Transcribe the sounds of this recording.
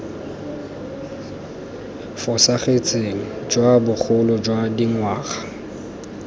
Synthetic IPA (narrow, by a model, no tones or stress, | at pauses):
fʊsaχet͡sʼeŋ̩d͡ʒwabʊk͡xʰʊlɔd͡ʒwadiŋwaːχḁ